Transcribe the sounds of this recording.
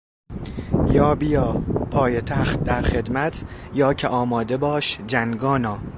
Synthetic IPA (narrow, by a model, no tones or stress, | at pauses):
jɒːbijɒːpʰɒːjet̪ʰæxt̪̚d̪æɾχe̞d̪mæt̪ʰjɒːcʰeʔɒːmɒːd̪e̞bɒːʃd͡ʒæŋɡɒːnɒː